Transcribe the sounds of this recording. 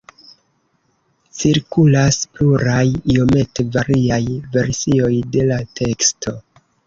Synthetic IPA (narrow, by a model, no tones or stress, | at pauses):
t͡siɾkulaspluɾajio̞me̞tevaɾiajve̞ɾsio̞jde̞latʰe̞ksto̞